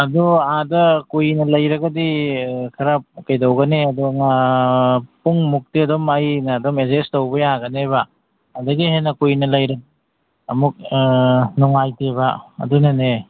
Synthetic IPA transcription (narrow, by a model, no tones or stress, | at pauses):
ɐduadɐkujnɐlɐjɾɐɡɐdikʰɐɾap̚kɐjdɐwɡɐneɐdoŋa | puŋmuk̚tiɐdomɐjnɐːdomezestowbɐjaɡɐneβa | ɐdɐɡiɦenɐkujnɐlɐjɾɐɡ | ɐmuk̚ | nuŋajtebɐɐ̰dunɐne